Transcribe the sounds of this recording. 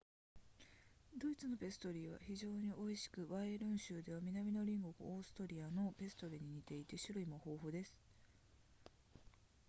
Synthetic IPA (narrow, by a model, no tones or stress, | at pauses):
d̪o̞it͡sɨno̞be̞sɨ̥t̪oɾʲiːβa̰çiʑo̞ːɲ̟iʔo̞iɕi̥kɯ̟βaeɾɯ̟̃ɰ̃ɕɨːd̪e̞β̞amʲinamʲino̞ɾʲĩŋɡo̞ɡo̰oːsɨ̥t̪oɾʲiano̞be̞sɨ̥t̪o̞ɾʲiɲ̟iɲ̟it̪e̞it̪e̞ɕɨɾɯ̟imoho̞ːɦo̞ːd̪e̞sɨ̥